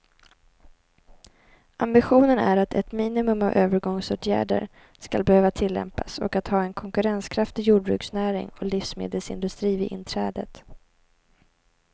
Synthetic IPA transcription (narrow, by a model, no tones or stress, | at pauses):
ʔambɪɧuːnənæ̰ɾat̪ʰɛ̰t̪miːnɪmɵmavøːvəɾɡɔŋsoːt̪ʰjæ̰ːɖə̰ɾ | ska̰lbɛhøːvat̪ʰɪlːɛ̰mpasɔ̰kat̪hɑːɛnkʰɔŋkɵɾɛnskʰɾaft̪ɪjuːɖ̚bɾʉ̰ːksnæːɾɪ̰ŋɔlifsmḛːd̪əlsɪ̰nd̪ɵst̪ɾiːvɪʔɪnt̪ʰɾɛːd̪ət̪